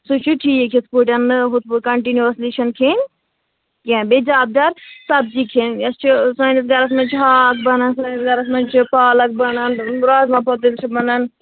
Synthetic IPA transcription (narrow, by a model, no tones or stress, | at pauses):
sut͡ʃʰuʈʰijekʲʰispuʈʲɐnɨɦut̪̚kɐɳʈinjuɐsliʃɐnkʰen | kẽːbed͡ʒaːb̚d̪ɐɾsɐb̚d͡ʒikʰenɐst͡ʃʰisaːjnis̬ɡɐɾɐs̬mɐnt͡ʃʰɦaːkbɐnɐnsaːjnisɡɐɾɐs̬mɐnt͡ʃʰipaːlɐk̚bɐnɐnɾaːzmãpʰɐt̪ilt͡ʃʰibɐnɐn